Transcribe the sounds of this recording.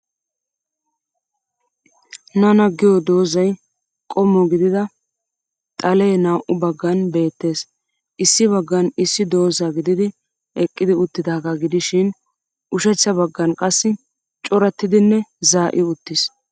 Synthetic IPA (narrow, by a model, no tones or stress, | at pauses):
nɐnɐɡɪjɔd̪o̞ːzɐj | kʼɔmːɔɡɪd̪ɪd̪ɐ | t̪ʼɐleːnaːʔʊbɐɡːɐnbe̞ːt̪ːe̞ːs | ʔɪsːɪβɐɡːɐnɪsːɪd̪o̞ːzaɡɪd̪ɪd̪ɪ | ʔɛkʼːɪd̪ɪʊt̪ːɪd̪aːɡaɡɪd̪ɪʃɪn | ʔʊʃɛt͡ʃːɐbɐɡːɐnkʼɐsːɪ | t͡ʃʼɔɾɐt̪ːɪd̪ɪnːɛzaːʔɪʊt̪ːɪs